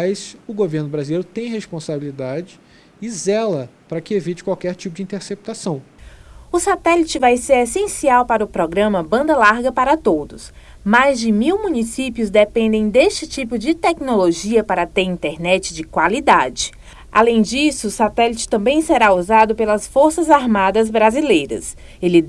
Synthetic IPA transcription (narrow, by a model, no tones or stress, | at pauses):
jsʊɡoveɾnʊbɾazilejɾʊt̪ẽj̃hespõsabilid̪ad͡ʒɪ | ɪzɛlɐpaɾɐkɪevit͡ʃɪ̥kwawkɛɾt͡ʃipʊd͡ʒĩt̪eɾsep̚t̪asɐ̃w̃ʊsat̪ɛlit͡ʃɪvajseɾesẽsiawpaɾɐʊpɾɔɡɾɐ̃mɐbɐ̃nd̪ɐlaɾɡɐpaɾɐt̪od̪ʊs | majzd͡ʒɪmiwmũnisipjʊzd̪epẽnd̪ẽj̃d̪est͡ʃɪt͡ʃipʊd͡ʒɪt̪ɛknoloʒiɐpaɾɐt̪eɾĩnt̪ɛɾnɛt͡ʃɪd͡ʒɪkwalid̪ad͡ʒɪ | a̰lẽj̃d͡ʒisʊːsat̪ɛlit͡ʃɪ̥t̪ɐ̃mbẽj̃sɛɾauzad̪ʊpelɐsfoɾsɐzaɾmad̪ɐzbɾazilejɾɐ̰s | elɪ